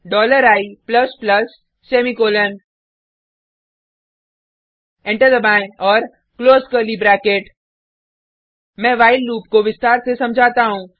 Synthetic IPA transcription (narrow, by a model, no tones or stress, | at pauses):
ɖɔːləɾaːipləsplɐs | seːmikoːlən | ɛ̃ɳʈəɾd̪əbãːɔːɾ | kloːzkəɾlibɾɛːkeʈ | mɛ̃ːʋaːɪlːuːpkoʋɪst̪aːɾsesɐ̃md͡ʒʱaːt̪aɦũː